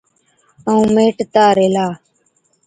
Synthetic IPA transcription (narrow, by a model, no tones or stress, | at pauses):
əũːmeːʈt̪aːɾeːlaː